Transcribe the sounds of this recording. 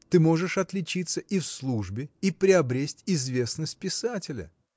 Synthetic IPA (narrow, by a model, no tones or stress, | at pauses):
t̪ɨmo̞ʐɨʂɐt̪lʲɪt͡ɕit̪sːəʔifslˠuʐbʲɪipɾʲɪɐbɾʲesʲtʲɪzvʲe̞snəsʲt̚ʲpʲɪsatʲɪlʲə̰